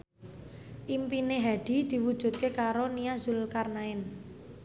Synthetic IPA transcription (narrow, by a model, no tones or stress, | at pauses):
ʔimpineɦaɖ̪̥i̤d̪̥i̤wud̥ʒ̥ṳt̪̚kekaɾoniazulkarnaɪn